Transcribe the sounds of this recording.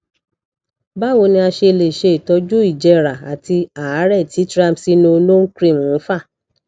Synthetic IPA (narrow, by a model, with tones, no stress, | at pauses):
ba˦˨wo˧nĩ˧a˧ʃe˧˨le˨ʃe˧i˨tɔ˨˧˦d͡ʒu˦i˦˨d͡ʒɛ˧ɾa˨a˨ti˧a˨˦ɾɛ˦˨ti˨˦tɾa˦˨msi˦nõ˧˦lo˦kɾĩ˦˨mũ˨˦fa˦˨